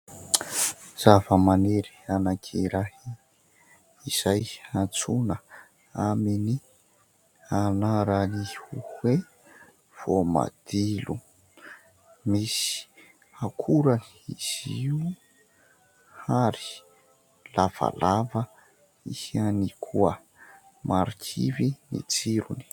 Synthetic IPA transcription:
z̥avəmaneɾi̥anakʰiɾahi | iz̥ajant͡sunə | amini | anaɾanihuhwe | v̥oma̰d̪̥ilu | misi̥ | akʰuɾan | iz̥iu | haɾi̥ | lav̥a̰lavə | ihanikʰuə | maɾikʰḭvinḭt͡siɾuni̥

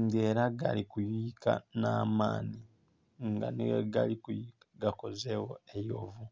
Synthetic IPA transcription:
ŋɡeːɾaɡalikujika̰naːmaːni | ŋɡa̰neɡa̰likuiaɡako̞zewoejovu

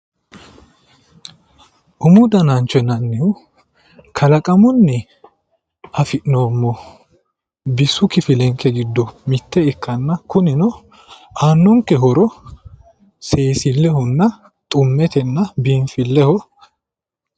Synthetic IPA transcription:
ʔʊmʊd̪ɐnɐnt͡ʃɔnɐnːɛʊ | kʰɐlɐkʼɐmʊnːɛ | ɐfɪʔnoːmːɔ | bɪsːʊkɪfɪlɛŋkːɛɡɪd̪ːɔmɪt̪ːɛɪkːɐnːɐkʊnɪnɔ | aːnːɔŋkːɛɦɔɾɔ | se̞ːsɪlːɛhɔnːɐ | t̪ʼʊmːɛt̪ɛnːɐbiːɱfɪlːɛhɔ

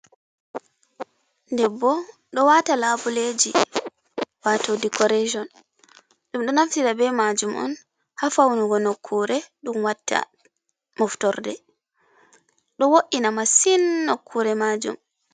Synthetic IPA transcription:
ndɛbːɔ | ɗɔwatalabuled͡ʒi | watodikɔɾɛd͡ʒɔn | ɗumɗɔnaftiɾabɛmad͡ʒumʔɔ̰n | hafawnuɡɔnokʰːuɾɛɗumwatːa̰ | mɔftɔɾdɛ | ɗɔwoʔinamasinːokʰːuɾɛmaːd͡ʒṵm

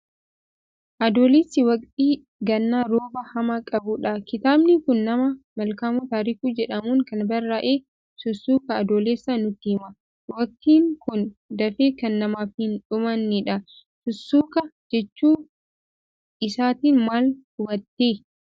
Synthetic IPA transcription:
ʔɐd̪oːlesːɪwɐkʼt̪ʼiː | ɡɐnːaɾoːbɐhɐmɐkʼɐbʊᶑɐkɪt̪aːbnɪkʊnːɐmɐmɐlkaːmʊt̪aːɾɪkuːd͡ʒɛᶑɐmuːŋkɐnbɐɾaʔeː | sʊsːuːkɐːd̪oːleːsːɐnʊt̪ːiːmɐ | wɐk̚t̪iːŋkʊnd̪ɐfeːkɐnːɐmaːfhɪnᶑʊmɐnːɪᶑɐ | sʊsːuːkɐd͡ʒɛt͡ʃːuː | ɪsaːt̪iːnmaːlhʊbɐt̪ːeː

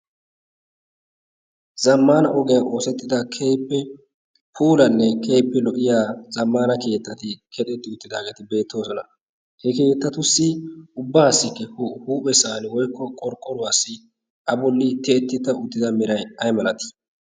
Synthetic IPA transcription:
zɐmːaːnɐʔɔɡɪjɐnʔo̞ːsɛt̪ːɪd̪ɐkʰejpːɛ | pʰuːlɐnːɛkʰeːpːɛlɔʔɪjaːz̥ɐmːaːnɐke̞ːt̪ːɐt̪ɪkʰɛt̪ʼɛt̪ːɪʊt̪ːɪd̪aːɡe̞ːt̪ɪbe̞ːt̪ʰːo̞ːsɔnɐ | hɛke̞ːt̪ːɐt̪ʊsːɪʊbːaːsːɪkːɛhhuːpʼɛsaːnɪwɔjkːɔkʼɔɾkʼːɔɾʊwaːsːɪ | ʔɐbɔlːɪt̪ɛɛt̪ːɪt̪ːɐʊt̪ːɪd̪ɐmɪɾɐjɐjmɐlɐt̪ɪ̥

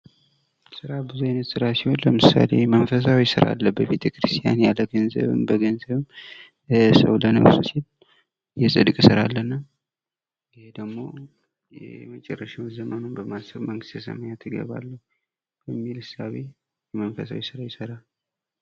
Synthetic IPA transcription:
sɨɾabɨzuajnət̪sɨɾasiho̞nləmɨsa̰le̞mənfəs̬awiɪsɨɾa̰lːəbəβe̞t̪ʰəkʰɨɾɨst̪ʰʼija̰njaləɡənzə̰βɨ̰mbəɡənzəβɨm | səwlənə̰βsusil | jɛsʼɨd̪kʼsɨɾalːənːa | ɪhed̪əɡmo̞̰ | jɛ̰mət͡ʃʼɛrːəʃɪmzəmənunbəmasəβməŋɡɨst̪jɛsə̰məɲat̪ʰɨɡə̰βa̰lːəhu | bəmːilɨsaβe | jɛmənfəsawisɨɾawjɪsəɾal

